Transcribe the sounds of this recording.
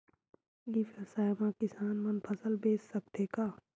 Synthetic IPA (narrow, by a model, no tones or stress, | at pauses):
ifʰesaːjmãkɪsaːnmɐnpʰɐsəlbeːsːɐb̚t̪eːkaː